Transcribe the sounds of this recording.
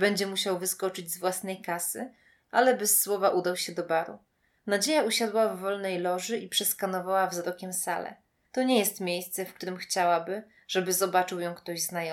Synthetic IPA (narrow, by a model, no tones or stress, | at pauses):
bɛɲd͡ʑɛmuɕawvɘskɔt͡ʂɘd͡ʑzvwasnɛjkasɘ̰ | ʔa̰lɛbɘsːwɔvaʔud̪awɕɛd̪ɔbaɾṵ | nad͡ʑejauɕad̪wavːɔlnɛjlɔʐɘʔipʂɛskanɔvawavzɾɔkʲɛmsa̰lɛ̰ | t̪ɔɲɛjɛst̪mʲjejst̪sɛfk̚t̪uɾɘmxt͡ɕawabɘ | ʐ̥ɛbɘzɔbat͡ʂɘwjɔ̃w̃kt̪ɔʑznajɔ